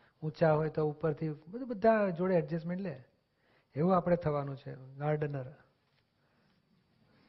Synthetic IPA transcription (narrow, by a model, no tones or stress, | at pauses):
ũt͡ʃaɦojt̪oupəɾt̪ʰibəd̪ʱubəd̪ʱːãd͡ʒoɽeəɖd͡ʒesmeɳle | eʋũapəɽ̃et̪ʰəʋanũt͡ʃʰḛɡaɾɖnəɾ